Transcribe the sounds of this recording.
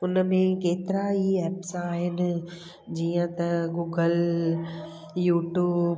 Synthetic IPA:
ʊnmẽkeːt̪ɪɾaiɛːpsãaːɦɪnɪ̆ | d͡ʑiːə̃t̪ɐɡuːɡəl | juːʈjuːb

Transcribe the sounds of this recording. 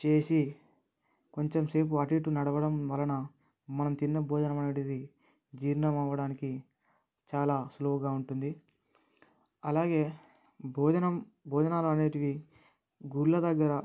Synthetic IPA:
t͡ʃe̞ːsi | ko̞ɲt͡ʃemse̞ːp̬uɐʈiʈunɐɽɐʋɐɽɐmʋɐlːɐnɐ | mɐnɐmt̪inːɐbʱɔːd͡ʒɐnɐmɐneːʈidi | d͡ʒiːɾnɐmɐʋːɐɽaːniki | t͡ʃaːlaːsloːɡaːuɳʈund̪i | ɐlaːɡe̞ː | bɔːd͡ʒɐnɐm | bʱɔːd͡ʒɐnaːloɐne̞ːʈiʋi | ɡulːɐd̪ɐɡːɐɾɐ

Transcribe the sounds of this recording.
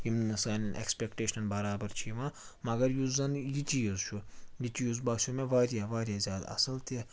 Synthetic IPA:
jimɨsɐːnɐnʔḛkspeːkʈeːʃɐnbɐɾaːbɐɾt͡ʃʰiʋãː | mɐɡɐɾjuzɐnjit͡ʃʲijuzt͡ʃʰujit͡ʃʲijuzbɐːʃʰumẽʋaːɾjaːʋaːɾʲjaːzʲjaːd̪ɐ̰sɐlt̪i

